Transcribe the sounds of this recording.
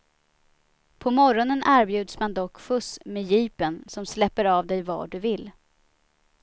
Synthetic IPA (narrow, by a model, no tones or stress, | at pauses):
pʰɔmɔɾɔnənæːɾbjʉ̟ːd̪smand̪ɔkːfɵsmejiːpənsɔmslɛpːəɾɑːvd̪ɛjvɑ̰ːɖɵvɪlː